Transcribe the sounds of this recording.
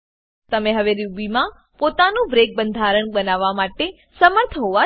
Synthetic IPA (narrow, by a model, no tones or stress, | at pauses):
t̪əmẽɦəʋeɾjubimã | pot̪anũbɾek̚bənd̪ʱaɾəɳbənaʋːamaʈe | səməɾt̪ʰəɦoʋa